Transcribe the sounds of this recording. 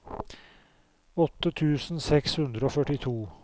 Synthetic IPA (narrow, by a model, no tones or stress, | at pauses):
ɔt̪ːət̪ʰʉːsn̩sɛkshʉnd̪ɾəoːfœʈɪt̪ʰuː